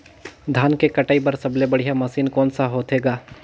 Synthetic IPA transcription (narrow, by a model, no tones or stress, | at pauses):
d̪ʱaːnkekɐʈaːipɐɾsɐblebɐɽ̤ijamɐsiːnkɔːnsaɦoːt̪ɦeːɡaː